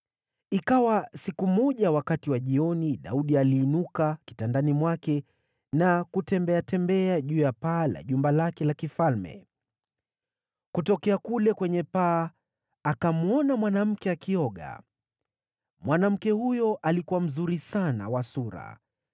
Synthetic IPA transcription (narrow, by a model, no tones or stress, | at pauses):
ikawasikumɔʄawakatiwaʄiɔniɗa̰uɗialiːnukaki̥tandanimwakɛ | nakutɛmbɛatɛmbɛaʄuːjapaːla̰ʄumbalakɛlakifalmɛ̰ | kutɔkɛakulɛkwɛɲɛpaː | akamuɔnamwanam̩kɛakiɔɠa̰ | mwanam̩kɛhujɔʔalikuwam̩zuɾisana̰wasuɾa̰